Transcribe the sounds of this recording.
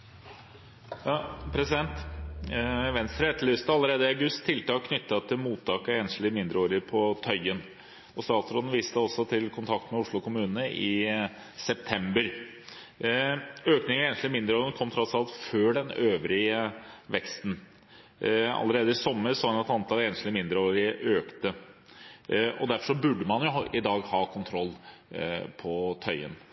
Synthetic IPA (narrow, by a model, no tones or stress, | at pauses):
ɑpʰɾɛsɪd̪ɛnt̪ | ʋɛnst̪ɾəɛt̪ʰlʏːst̪əɑlːəɾeːd̪əɪɑɡʉst̪ʰːɪlt̪ʰɑːkʰːnʏt̪ːɑt̪ʰːɪlmuːt̪ʰːɑːkəeːnʂlɪmɪnd̪ɾəoːɾəɾpʰɔt̪ʰœʏɡən | ɔst̪ɑːt̪sɾɔd̪n̩ʋiːst̪əɔsɔt̪ʰɪlkʰʊnt̪ʰɑk̚t̪mɛʊʂɭʊkʊmʉːnnəʔɪ | sɛp̚t̪ʰɛmbəɾ | øːknɪŋəeːnət̪lɪmɪnd̪ɾəoːɾənkʰɔmt̪ʰɾɔt̪sɑlt̪føːɖɛnøːʋɾɪəʋɛkst̪n̩ | ɑ̰lːəɾeːd̪əɪsɔmːəɾsoːɑnɛt̪ɑnt̪ʰɑleːnəslɪmɪnd̪ɾəoːɾɪʔøːkt̪ə | ɔ̰d̪æɾfɔʂɔbʉɖːəmɑnjʊʔɪd̪ɑːɡhɑːkʰʊnt̪ʰɾɔlː | pʰɔt̪ʰœʏə̰n